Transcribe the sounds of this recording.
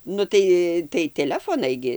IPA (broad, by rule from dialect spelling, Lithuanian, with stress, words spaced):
ˈnʊ tɐɪ tɐɪ tʲɛˈlʲæːfoːnɐɪ ˈɡʲɪ